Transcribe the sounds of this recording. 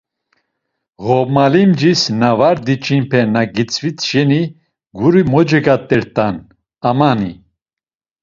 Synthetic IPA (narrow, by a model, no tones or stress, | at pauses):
ʁɔmalimd͡ʒisnavaɾd̪it͡ʃʼinpʰɛnaɡit͡sʰʼvit͡sʃɛni | ɡuɾimɔd͡ʒɛɡat̪ʼːɛɾt̪ʼan | amani